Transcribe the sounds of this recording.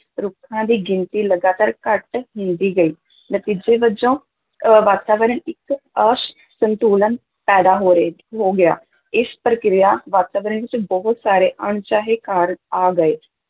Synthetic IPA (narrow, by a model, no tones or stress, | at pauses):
ɾʊkʰːãːd̪iːɡɪnt̪iːləɡaːt̪aːɾkəʈɦɪ̃nd̪iːɡəiː | nət̪iːd͡ʒeːʋəd͡ʒõː | ʋaːt̪aːʋəɾəɳɪkəʃ | sənt̪uːlən | pɛːd̪aːɦoːɾeɦoːɡɪja̰ː | ɪspɾəkɾɪjaːʋaːt̪aːʋəɾəɳʋɪt͡ʃbɔɦʊt̪saːɾeːʔəɳt͡ʃaːɦeːkaːɾəaːɡəeː